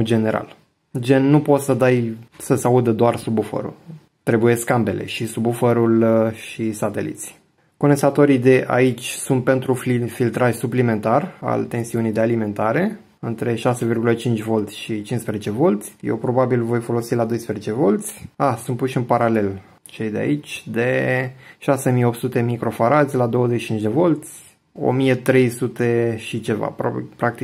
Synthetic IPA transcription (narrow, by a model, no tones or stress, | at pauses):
d͡ʒe̞ne̞ɾa̰l | d͡ʒe̞nːupo̞t̪səd̪ajsəsaud̪əd̪oarsubufə̰ɾṵl | t̪ɾe̞buje̞skambe̞lʔe̞̰ʃisubufəɾulʃisat̪e̞̰lḭt̪sʲ | ko̞nesat̪o̞ɾid̪e̞ʔa̰it͡ʃʲsunt̪̚pe̞nt̪ɾuffilt̪ɾaʒʲsuplime̞nt̪ara̰lt̪e̞nsiunijd̪ealime̞nt̪aɾe̞ | ɨnt̪ɾe̞ʃase̞virɡulət͡ʃint͡ʃʲvo̞lt̪sʲʃit͡ʃinspɾezet͡ʃe̞vo̞lt̪sʲjḛwpɾo̞babilvo̞jfo̞lo̞silad̪o̞jspɾezet͡ʃe̞vo̞lt̪sʲasunt̪puʃɨnpaɾale̞l | t͡ʃe̞jd̪ea̰it͡ʃʲd̪e̞ʃase̞mijeo̞p̚t̪sut̪e̞mikɾo̞faɾat̪sʲlad̪o̞wəzeʃi̥t͡ʃind͡ʒʲd̪e̞vo̞lt̪sʲ | o̞̰mijet̪ɾe̞jsut̪e̞ʃit͡ʃe̞va̰po̰pɾakt̪i